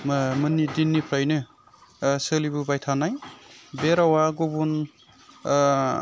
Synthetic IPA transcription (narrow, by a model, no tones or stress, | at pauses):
mmɯnːidinːipʰɾajnɯ | sɯlibɯbajtʰanajbeɾawaɡobun